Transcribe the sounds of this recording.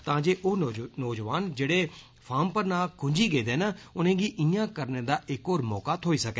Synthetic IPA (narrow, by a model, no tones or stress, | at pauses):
t̪ãːd͡ʒeːʔoːnɔːd͡ʒʋaːnd͡ʒeːɽeː | pʰaːmpəɾnaːlkʰʊ̃ɲd͡ʒiːɡeːd̪eːnaːʊnẽːɡiːʔiːãːkəɾnẽːd̪aːʔɪkoːɾmɔːkaːt̪ʰoːiːsəkɛ